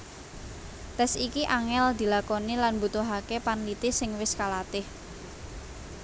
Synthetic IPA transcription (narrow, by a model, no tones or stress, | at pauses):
t̪ɛsikiʔaŋɛld̪i̤lakonilanbut̪uɦakepanlit̪ɪsɪŋwɪskalat̪ɪh